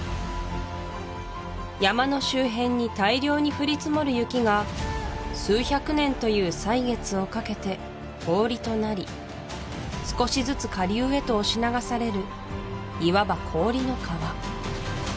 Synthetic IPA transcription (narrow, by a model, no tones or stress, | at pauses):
jamano̞ɕɨːɦẽ̞ɲ̟ːit̪aiɾʲo̞ːɲ̟iɸɯ̟ɾʲit͡sɨmo̞ɾɯ̟jɯ̟kʲiɡa | sɨːçakɯ̟nẽ̞nt̪o̞jɯːsaiɡe̞t͡sɨo̞kake̞t̪e̞ | kʰo̞ːɾʲit̪o̞naɾʲi | sɨ̥ko̞ɕizɨt͡sɨkaɾʲiɯːe̞t̪o̞ːɕinaɡasaɾe̞ɾɯ̟ | iβabakʰo̞ːɾʲino̞kʰaβa